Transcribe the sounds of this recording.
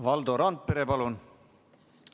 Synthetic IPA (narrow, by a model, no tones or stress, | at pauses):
vɑld̪oɾɑnd̪̚pe̞ɾepɑlun